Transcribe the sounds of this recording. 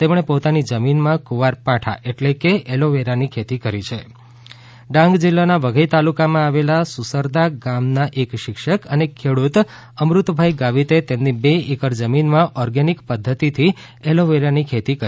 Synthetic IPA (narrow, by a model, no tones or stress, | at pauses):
t̪emɳepot̪anid͡ʒəminmãkuʋaɾpaʈʰa̰ʔeʈlekeeloʋeɾanikʰet̪ikəɾit͡ʃʰe | ɖãŋɡd͡ʒilːanaʋəɡʱəjt̪alukamãaʋelasusəɾd̪aɡamnaʔekʃɪkʃəkənekʰːeɽut̪ | əmɾut̪bʱajɡaʋit̪et̪emnibeekəɾd͡ʒəminmãʔɔɾɡanikpəd̪ʱːət̪it̪ʰi | eloʋeɾanikʰet̪ikə